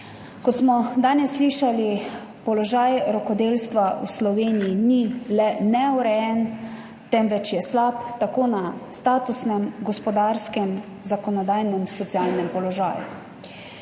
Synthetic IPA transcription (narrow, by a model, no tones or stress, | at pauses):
kɔt̪smɔd̪aːnɛsːliʃali | pɔlɔʒaːjɾɔkɔd̪eːlst̪ʋauslɔʋeːnijinilɛnɛɔɾɛjɛn | t̪ɛmʋɛt͡ʃjɛslapt̪akoːnast̪aːt̪usnɛmɡɔspɔd̪aɾskɛm | zakɔnɔd̪aːjnɛmsɔt̪siaːlnɛmpɔlɔʒa̰ːjṵ